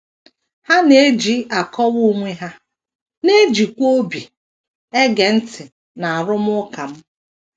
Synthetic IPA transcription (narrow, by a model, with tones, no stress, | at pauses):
ha˦ne˦d͡ʒi˦a˨kʰɔ˦wu˦ŋʷe˦ɦa˦ | ne˦d͡ʒi˨kʷo˦bi˨ | e˦ɡe˨n̩˦tɪ˨ | na˨a˨ɾʊ˦m˦ʊ˦ka˨m̩˦